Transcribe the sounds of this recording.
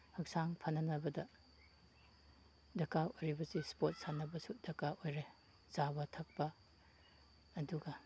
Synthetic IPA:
hɐk̚saŋpʰɐnːɐnɐbɐdɐ | dɐkaojɾibɐsispot̚sanːɐbɐsudɐkaojɾe | zabɐtʰɐk̚pɐ | duɡɐ

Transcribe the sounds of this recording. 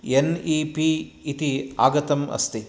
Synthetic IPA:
enipiːt̪iaːɡɐt̪ɐmɐ̰st̪i

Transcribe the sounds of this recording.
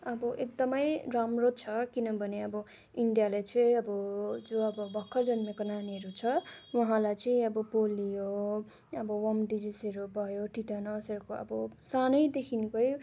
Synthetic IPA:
ʌbʌʔekd̪ʌmʌjramrot͡sʰʌkinʌbʱʌneʌbʌ | iɳɖijalajt͡sʌiʌbʌd͡zoʌbʌbʱʌkʰːʌrd͡zʌnmekʌnaniɦʌɾut͡sʰʌwʌɦãlajt͡sʌĩʌbʌpolijo | ʌbʌwʌmɖid͡zisʌɾubʱʌjoʈiʈanʌsʌɾukoʌ̰bʌsanʌjd̪ekʰinkʌj

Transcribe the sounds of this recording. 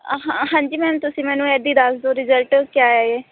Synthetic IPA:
ɦãːɦãːɲd͡ʒiːmɛ̃ːnt̪ʊsĩːmɛ̃ːnũːɛːd̪iːd̪əsd̪oːɾɪzəlʈkjaːɛːeː

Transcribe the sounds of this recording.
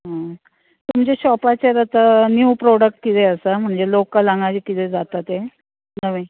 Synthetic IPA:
ɦã | t̪umd͡ʑeɕɔpat͡ɕeɾət̪ənjuːpɾoɽək̚ʈ̚kit̪eəsam̤əɳd͡zelokːəlaŋɡat͡ɕikit̪ed͡zat̪at̪e | nəʋe

